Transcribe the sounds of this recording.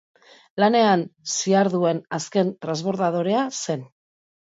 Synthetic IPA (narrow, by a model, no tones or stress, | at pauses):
lane̞ansiaɾðue̞naske̞nt̪ɾanzβo̞ɾðaðo̞ɾe̞ase̞n